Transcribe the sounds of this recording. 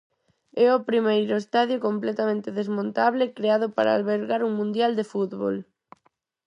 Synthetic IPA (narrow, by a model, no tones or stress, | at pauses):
ɛopɾimejɾʊest̪aðjokomplɛt̪amẽnt̪eðezmõnt̪aβ̞lɪkɾeaðʊpaɾa̰alβeɾɣaɾuŋmũnd̪jald̪efut̪βo̰l